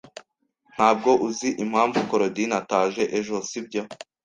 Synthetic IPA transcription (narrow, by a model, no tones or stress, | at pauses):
n̥haːb̚ɡo̞ʔuziʔim̥haːɱvukoɾodinataːʒe̞ʔeʒosib̚ɟo